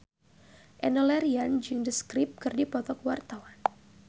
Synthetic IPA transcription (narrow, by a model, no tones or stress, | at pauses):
ʔɛnɔlɛɾiand͡ʒɨŋdəskɾɪp̚kɨrdipɔt̪ɔkwart̪awan